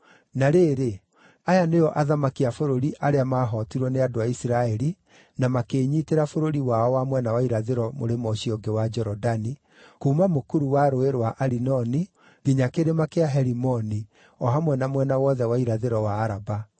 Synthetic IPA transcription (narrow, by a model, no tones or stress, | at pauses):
naɾeːɾe | ajanejɔʔaðamakiafoɾoɾiʔaɾeamaːɦɔtiɾwɔneadoaisiɾaɛɾi | namakeːɲiːteɾafoɾoɾiwaɔwamwɛnawaiɾaðeɾɔmo̰ɾemɔɕiɔŋɡewad͡ʒɛɾɔdani | kuːmamokuɾuwaɾoeɾowaʔaɾinɔni | ɣiɲakeɾemakeaɦɛɾimɔni | ɔɦamwɛnamwɛnawɔðɛwaiɾaðeɾɔwaːɾaba